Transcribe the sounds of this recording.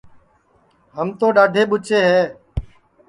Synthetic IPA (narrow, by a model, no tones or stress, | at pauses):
ɦəmt̪õːɗaːɖʱeːɓʊt͡ʃeːɦɛː